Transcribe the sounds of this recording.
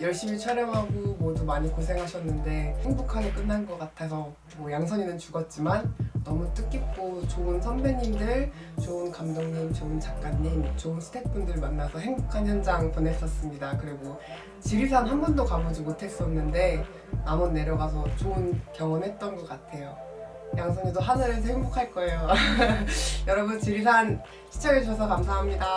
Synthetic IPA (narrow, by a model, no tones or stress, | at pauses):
jʌɭɕ͈imit͡ɕʰaɾjʌmɦaɡomodumaɲikosʰe̞ŋɦaɕʰʌnːɯnde̞he̞ŋbukʰaɡek͈ɯnːanɡʌk͈atʰesʰʌ | mwʌjaŋs̬ʰʌɲinɯnt͡ɕuɡʌt̚t͡ɕ͈imanːʌmut͈ʰɯk͈ip̚k͈ot͡ɕoɯnsʰʌnbeɲimdɯɭ | t͡ɕoɯnkamdoŋɲint͡ɕoɯnt͡ɕak̚k͈aɲːint͡ɕoɯnsʰɯ̥tʰe̞t̚pundɯɭmanːasʰʌɦe̞ŋbukʰançjʌnd͡ʑaŋpone̞s͈ʌs͈ɯmɲidakɯɾiɡo | t͡ɕiɾisʰanɦambʌndokabod͡ʑimotʰe̞s͈ʌnːɯnde̞ | namunːe̞ɾjʌɡasʰʌt͡ɕoɯnkjʌŋwʌnɦe̞t̚t͈ʌnɡʌk͈atʰe̞jo | jaŋsʰʌŋidoɦanaɾes̬ʰʌhe̞ŋbokʰaɭk͈ʌe̞jo | jʌɾʌbunt͡ɕiɾisʰan | ɕʰi̥t͡ɕ͈ʌɡet͡ɕʌsʰʌkams̬ʰaɦamɲida